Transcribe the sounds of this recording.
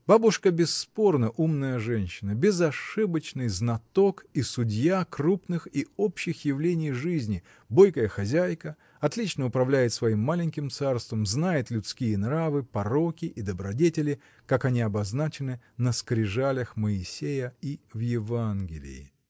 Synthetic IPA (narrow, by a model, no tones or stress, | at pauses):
b̥abʊʂkəbʲɪsːpo̞rnəʔumnəjəʐɛnʲɕːɪnəbʲɪzɐʂɨbət͡ɕnɨjznɐt̪o̞kisʊdʲjakrupnɨxio̞pɕːɪxjɪvlʲenʲɪjʐɨzʲnʲɪ | bo̞jkəjəxɐzʲæjkə | ɐt̪lʲit͡ɕnəʊpɾɐvlʲæjɪt̪svɐimːalʲɪnʲkʲɪmt̪sarst̪vəmznajɪt̪lʲʊt̪skʲijənɾavɨpɐro̞kʲɪʔːd̪əbɾɐdʲetʲɪlʲɪ | kakɐnʲiɐbɐznat͡ɕɪnɨ | nəskɾʲɪʐalʲəxməɪsʲejəivjɪvanɡʲɪlʲɪ̰jɪ̰